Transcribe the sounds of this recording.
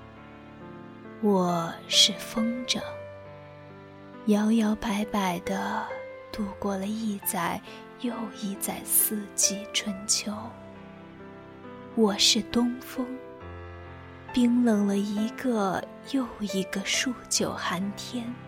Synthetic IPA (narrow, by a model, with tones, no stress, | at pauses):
wɔ˨˩ʂɻ̩˥˩fɤ˥ŋʈ͡ʂə˧˩ | jɑ˧˥ʊjɑ˧˥ʊpa˧˥ɪpa˨˩ɪd̪ə˦ | t̪u˥˩kwɔ˥˧lə˩i˥˩˧t͡sa˨˩ɪ | jo˥˧ʊi˥˩t͡sa˨˩ɪsɹ̩˥˧t͡ɕi˥˩ʈ͡ʂʰwə˧˥nt͡ɕʰjo˧˥ʊ | wɔ˨˩ʂɻ̩˥˩t̪ʊ˥ŋfɤ˥ŋ | pi˥ŋlɤ˧˥ŋlə˧i˧˥ɡə˧ | jo˥˩ʊi˧˥ɡə˧ʂu˥˩t͡ɕjo˨˩ʊxa˧˥nt̪ʰjɛ˥n